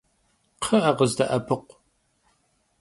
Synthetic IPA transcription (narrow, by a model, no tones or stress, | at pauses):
qʰɐʔɐʁəzdɐʔɐpʰɨqʷ